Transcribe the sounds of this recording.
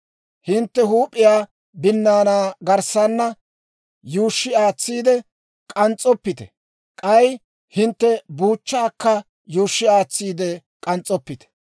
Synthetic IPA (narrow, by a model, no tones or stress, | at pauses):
hɪnt̪ːɛɦuːpʼːɪjaː | bɪnːaːnaːɡɐɾsanːɐ | juːʃːɪaːt͡sːiːd̪ɛ | kʼɐnt͡sʼːɔpːɪt̪ɛ̰ | kʼɐj | hɪnt̪ːɛbuːt͡ʃːaːkːɐ | juːʃːɪaːt͡sːiːd̪ɛ | kʼɐnt͡sʼːɔpːɪt̪ɛ̥